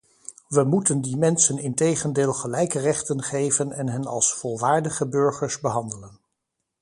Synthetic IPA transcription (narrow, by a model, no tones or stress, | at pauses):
ʋəmutəndimɛnsənɪntejχəndeːlˠχəlɛjkərɛχtənχejvənɛnɦənɑ̰lˠsfɔlˠʋaːɹdəχəbɵɹχəɹzbəɦɑndələn